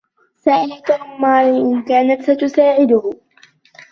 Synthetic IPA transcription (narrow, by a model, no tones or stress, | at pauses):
saːʔɪlat̪aʔʊmːɑːɾɪʔɪnkaːnat̪sat̪ʊsaːʕɪd̪ʊh